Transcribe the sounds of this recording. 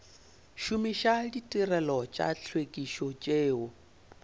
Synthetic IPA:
ʃumiʃaditʼirɛlɔt͡ʃʼa̰ɬʰwekʼiʃɔt͡ʃʼeːwʊ

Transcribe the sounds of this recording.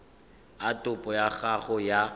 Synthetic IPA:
atʼʊpʼɔjaɣaɣʊja

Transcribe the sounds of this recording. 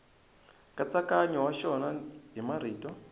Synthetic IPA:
kat͡sakaɲɔwaʃɔnaɦimaɾ̤iːtʼɔ

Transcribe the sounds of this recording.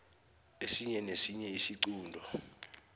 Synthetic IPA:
esiɲɛnesiɲɛisiǀuːndʱɔ

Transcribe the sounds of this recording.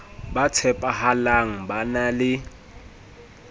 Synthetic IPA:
bat͡sʰɛpʼaɦalaŋ̩banalɪ

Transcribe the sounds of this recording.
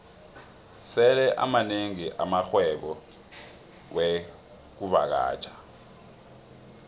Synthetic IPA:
sɛlɛʔa̰maneŋiʔamaxwɛɓɔ | we | k̬uva̰k̬a̰ːt͡ʃʰʼḁ

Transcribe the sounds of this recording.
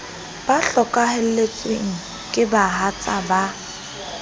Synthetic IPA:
b̥aɬɔkʼahɛl̩let͡sʼweŋ̩ | kʼɪbaɦat͡sʼaba

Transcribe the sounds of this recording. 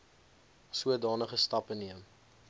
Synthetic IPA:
suədɑːnəχəstɐpəniəm

